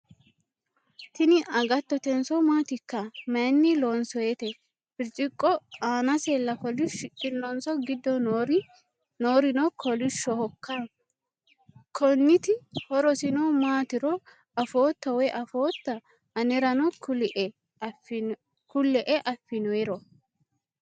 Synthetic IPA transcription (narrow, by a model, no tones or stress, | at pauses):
t̪ɪnɪʔɐɡɐt̪ːɔt̪ɛnsɔmaːt̪ɪkːɐmɐnːɪloːnsɔjet̪ɛ | fɪɾt͡ʃʼɪkʼːɔaːnɐselːɐkɔlɪʃkʼɪlːɔnsɔɡɪd̪ːɔɾ | noːɾɪnɔkʰɔlɪʃːɔhɔkːa | kʰɔnːɪt̪ɪhɔɾɔsɪnɔmaːt̪ɪɾɔ | ɐfoːt̪ːɐwɛʔɐfo̞ːt̪ːɐ | ɐnɛɾɐnɔklʔ | kʊlːɛʔɛʔɐfːɪnɔɛɾɔ